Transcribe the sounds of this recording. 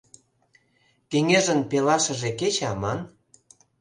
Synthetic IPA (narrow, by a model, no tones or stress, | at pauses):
keŋeʒə̆npelɑʃə̆ʒeket͡ɕɑmɑn